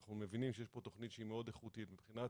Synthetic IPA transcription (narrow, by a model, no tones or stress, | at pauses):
χnumevinimʃejeʃpo̞t̪o̞χnit̪ʃeimeo̞d̪eχut̪it̪mipχinat